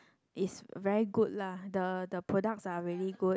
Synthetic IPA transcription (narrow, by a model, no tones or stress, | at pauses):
ʔisvɛɹiɡud̚ladədəpʰɹɔdak̚saɹiɹiɡu